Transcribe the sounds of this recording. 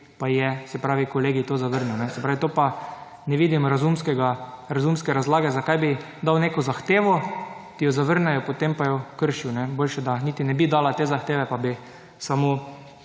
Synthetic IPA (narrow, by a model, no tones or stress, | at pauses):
pajɛsɛpɾaːʋikoleːɡit̪oːzaʋəɾnuwnɛsɛpɾaːʋit̪oːpa | nɛʋiːd̪imɾazumskɛɡaɾazumskɛɾazlaːɡɛzakajbi | d̪awneːkɔzaxt̪eːʋɔ | t̪ijɔzaʋəɾnɛjɔpot̪empajɔkəɾʃiwnɛboːlʃɛd̪aniːt̪inɛbid̪aːlat̪eːzaxt̪eːʋɛpabi | samo